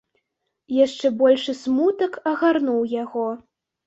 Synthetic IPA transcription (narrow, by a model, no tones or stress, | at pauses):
jaʂt͡ʂɛbɔlʲʂɨsmut̪ɐkɐɣarnuwjaɣɔ